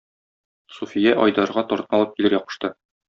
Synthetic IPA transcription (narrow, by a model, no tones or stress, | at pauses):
sufʲijæʔɒjd̪ɑɾʁɑt̪ɒɾt̪ɤmɒlˠɤp̚kilɘɾjɒqɤ̆ʃt̪ɤ